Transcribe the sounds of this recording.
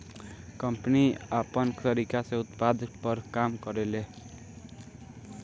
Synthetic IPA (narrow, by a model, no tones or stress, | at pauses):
kʌmpniapʌnkʌɾikasʌ̃ut̪pad̪ʌkpʌɾkamkʌɾele